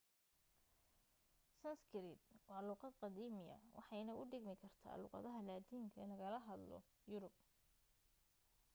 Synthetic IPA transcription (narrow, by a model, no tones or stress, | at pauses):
sɐnskɪɾɪd̪̚wɑːlʊːqɑd̪qɑd̪iːmɪjɐ̰wɑ̰ħɑjnɐʔʊɖɪɡmɪkʰɐrt̪ʰa̰ːlʊ̰ːqɑ̰ðɐɦɐlaːd̪iːŋkʰɐɪlɐɣɐlɐɦɐd̪lɔ̰ | jʊɾʊb̚